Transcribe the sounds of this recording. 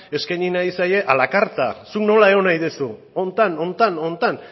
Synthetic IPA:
e̞skajɲinaisaje̞ʔalakaɾt̪a̰sukno̞lae̞ɣonajðesu | o̞nt̪ano̞nt̪ano̞nt̪an

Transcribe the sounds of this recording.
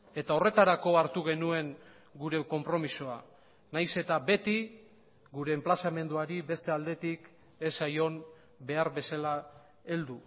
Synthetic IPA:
e̞t̪ao̞re̞t̪aɾako̞aɾt̪uɣ̞e̞nue̞ŋ | ɡuɾe̞ko̞mpɾo̞misoa | najse̞t̪abe̞t̪i | ɡuɾe̞ːmplasame̞nd̪uaɾibe̞st̪e̞ald̪e̞t̪ik | e̞sajo̞n | be̞aɾbe̞sala | e̞ld̪u

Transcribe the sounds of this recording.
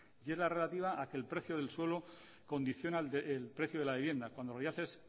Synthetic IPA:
ʝezlare̞lat̪iβ̞aʔake̞ːlpɾe̞θjoð̞e̞lswe̞lo | ko̞nd̪iθjo̞naeelpɾe̞θjoð̞elaβiβje̞nd̪akwand̪oloʝaθes

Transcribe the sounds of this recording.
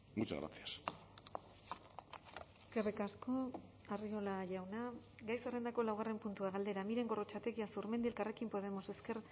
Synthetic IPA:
ɡut͡ʃa̰ɣɾa̰t͡sias | eskerikasko̞ | ario̞laʝawnaɡajsare̞nd̪ako̞lawɣare̞mpunt̪uaɣald̪e̞ɾamiɾe̞ŋɡo̞ro̞t͡ʃat̪e̞ɣiasuɾme̞nd̪ielkare̞kimpo̞ð̞e̞mo̞se̞ske̞ɾ

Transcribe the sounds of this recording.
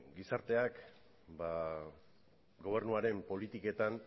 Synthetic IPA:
ɡisaɾt̪e̞ak | ba | ɡo̞β̞e̞ɾnuaɾe̞mpo̞lit̪ike̞t̪an

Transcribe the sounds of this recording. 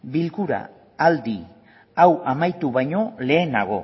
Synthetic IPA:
bilkuɾa̰ | ald̪i | awamajt̪uβajɲo̞le̞ːnaɣ̞o̞̰

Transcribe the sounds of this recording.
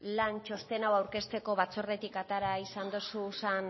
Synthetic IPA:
lant͡ʃo̞st̪enawawɾke̞st̪e̞ko̞βat͡sore̞t̪ikat̪aɾaisand̪osusan

